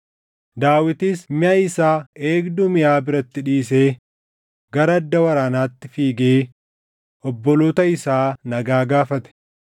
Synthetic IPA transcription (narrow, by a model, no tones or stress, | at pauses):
d̪aːwɪt̪iːsmɪɐɪsaːeːɡd̪ʊmɪjaːbɪɾɐt̪ːɪᶑiːseː | ɡɐɾɐːd̪ːɐwɐɾaːnaːt̪ːɪfiːɡeː | ʔɔbːɔloːt̪ɐɪsaːnɐɡaːɡaːfɐt̪ɛ̥